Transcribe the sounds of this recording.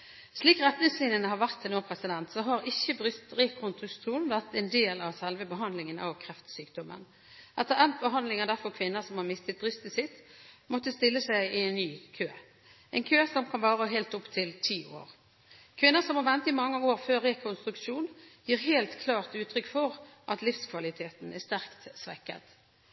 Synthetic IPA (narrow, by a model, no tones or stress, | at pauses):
sliːkɾɛt̪nɪŋslɪnənəhɑʁʋæʁt̪noːʁpʰɾɛsɪd̪ɛnt̪sɔɦɑɾɪçːəbɾʏst̪ʁɛkʰɔnst̪ʁʉst̪ʁuːnʋæʁt̪ɛnd̪eːlɑʋsɛlʋəbəɦɑnd̪lɪŋənʔɑ̰ʋkʰɾɛft̪syːkd̪ɔmə̰n | ʔɛt̪ːəʁɛnt̪̚bəɦɑnd̪lɪŋɑd̪æʁfɔʁkʰʋɪnːəsɔmhɑʁmɪst̪ət̪̚bʁʏst̪ɪsɪt̪mɔt̪ːəst̪ɪlːəsæɪɪɛnːyːkʰøː | ʔɛnkʰøːsɔmkʰɑnʋɑːʁəɦeːlt̪ʊpt̪ʰɪlt̪ʰiːʔo̰ːʁ | kʰʋɪnːəsɔmhɑɾʋɛnt̪ɪmɑŋːəoːɾføːɾɛkʰʊnst̪ɾʉkʂuːnjiːʁɦeːlt̪kʰlɑːʁt̪ʉːt̪ʰɾʏkːfɔʁʔɑt̪lɪfskʰʋɑlɪt̪ʰeːt̪n̩æst̪æʁkt̪sʋɛkːə̰t̪